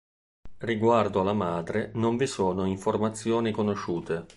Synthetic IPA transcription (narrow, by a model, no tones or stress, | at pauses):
riɡward̪oalamaːd̪ɾenoɱvisoːnoiɱformat̪sːjoːnikonoʃːuːt̪e